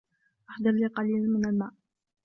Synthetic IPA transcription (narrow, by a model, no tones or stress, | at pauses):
ʔaħd̪ˤɑɾˤliqɑliːlanmɪnalmaːʔ